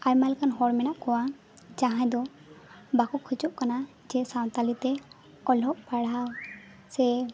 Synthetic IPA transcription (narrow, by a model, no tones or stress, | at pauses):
ajɾmalkanɦɔɽmɛnaʔkɔwa | d͡ʒaɦãjd̪ɔ | bakukʰut͡ʃɔʔkana | d͡ʒɛsaw̃t̪alit̪ɛ | ɔlɔʔpaɽaw | sɛ